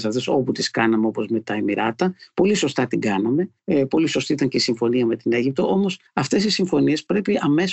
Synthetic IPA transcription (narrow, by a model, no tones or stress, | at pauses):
sɐft̪eso̞put̪iskɐnɐmeo̞po̞zme̞t̪ɐemiɾɐt̪ɐpo̞liso̞st̪ɐt̪iɡɐnɐme̞ | po̞liso̞st̪iit̪ɐɲce̞isiɱfo̞niɐme̞t̪ine̞ʝip̚t̪o̞ʔo̞mo̞sɐft̪e̞sisiɱfo̞nie̞spɾe̞piɐme̞s